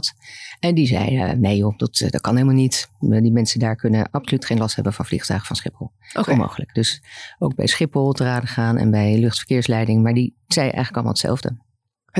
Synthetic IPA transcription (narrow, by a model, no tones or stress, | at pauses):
tɛndizɛ̰j̰nejjod̥ɑtdɑt̚kɑnɦelˠmalˠnitdimɛnsədaːɹkɵnəʔɑpsolytχejnlɑstɦɛbənvɑnvlḭχtœ̰ɥχə̥v̥ɑnsχɪpəlˠmo̰wχələkd̥øsowɡ̚bɛ̰jsχɪpəlˠtəraːdəχaːnʔɛ̰nbɛjlɵχtfəɹkɪːɹslɛjdɪŋmaːɹdi | z̥ɛjʔɛ̰jxχələkɑlˠma̰lˠətsɛ̰lˠvdə̰